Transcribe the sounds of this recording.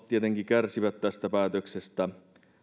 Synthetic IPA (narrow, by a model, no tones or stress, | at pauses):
tt̪ːiet̪eŋkikærsiʋæt̪t̪æst̪æpæːt̪øksest̪æ